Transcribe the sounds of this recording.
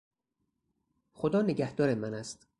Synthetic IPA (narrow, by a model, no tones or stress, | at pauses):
xod̪ɒːneɟæhd̪ɒːɾemænæst̪